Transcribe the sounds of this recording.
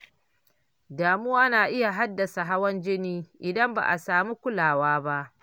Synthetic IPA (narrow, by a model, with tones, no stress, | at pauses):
daː˨mʊ˦waː˦naː˨ʔɪ˦ja˨ɦa˦dːɐ˨sa˨ɦa˦wɐ˦nd͡ʒɪ˦niː˦ʔɪ˨dɐ˦mba̰˨ʔa˨saː˨mi˦kʷʊ˦laː˨waː˦ba˦ʔ